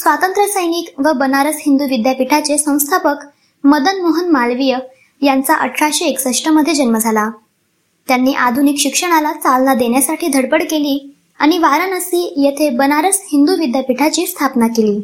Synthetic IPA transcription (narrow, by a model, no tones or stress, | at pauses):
sʋat̪ənt̪ɾəsəjniːkʋəbənaɾəsɦind̪uʋid̪japiʈʰat͡ɕesə̃w̃st̪ʰapək | məd̪ənmoɦənmalʋijə | jant͡saʔə̰ʈʰːaɕieksəʂʈəməd̪ʱːjed͡ʑənməd͡zʱala | t̪janːiːʔad̪ʱunikɕikʂəɽ̃alat͡salnad̪eɳjasaʈʰiːd̪ʱəɽpəɽkeliː | aɽ̃iʋaɾanəsiːjet̪ʰebənaɾəshind̪uʋid̪japiʈʰat͡ɕiːst̪ʰapnakeliː